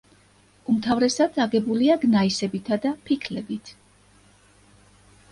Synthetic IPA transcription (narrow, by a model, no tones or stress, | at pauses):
umt̪ʰavɾɛsad̪saɡɛbuliaɡnaisɛbit̪ʰad̪apʰikʰlɛbit̪ʰ